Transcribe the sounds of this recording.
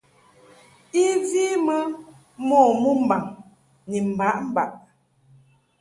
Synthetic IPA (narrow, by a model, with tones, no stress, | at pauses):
i˦zi˦mə˦ | mɔ˦˨mu˦m̩˨ba˨ŋ | ni˨m̩˨ba˨˦ʔm̩˨ba˨ʔ